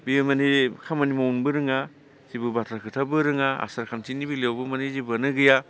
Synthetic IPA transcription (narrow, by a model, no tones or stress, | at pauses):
bimanikʰamanimawunbɯɾɯŋa | sibɯbatʰakʰɯtʰabɯɾɯŋaa̰saɾkʰantʰinibilewbɯmanizibɐnɯɡɯja